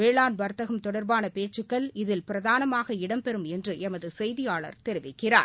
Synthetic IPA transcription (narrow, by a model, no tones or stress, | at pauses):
ʋeːɭaːnʋɐɾt̪ɐɣɐmt̪ɔɽɐɾbaːnɐpeːt͡ʃːɯkːɐɭɪðɪlpɪɾɐðaːnɐmaːɣɐɪɽɐmpɛɾɯmɛndrɯʔɛmɐðɯsɛjðɪjaːɭɐ̰ɾt̪ɛɾɪʋɪkːɪra̰ː